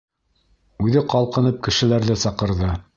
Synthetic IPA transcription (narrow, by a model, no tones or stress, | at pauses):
ʉðɘqɑlˠqɤ̆nɤp̚kɘ̆ʃɘ̆læɾðɘsɑqɤ̆ɾðɤ